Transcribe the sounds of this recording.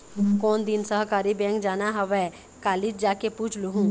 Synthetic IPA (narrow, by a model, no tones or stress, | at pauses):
kɔːnd̪ɪnsəɦkaːɾibɛ̃ːŋkd͡ʒaːnaɦəʋɛ | kaːlɪd͡ʒd͡ʒaːkepuːt͡ʃʰluɦũː